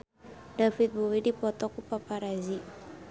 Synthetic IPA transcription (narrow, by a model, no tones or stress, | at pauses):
dafit̪̚bowidipɔt̪ɔkupapaɾazi